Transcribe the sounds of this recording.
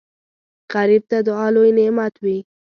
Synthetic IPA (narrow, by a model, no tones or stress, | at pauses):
ɣaɾib̚t̪ad̪əɑlojnɪmat̪wi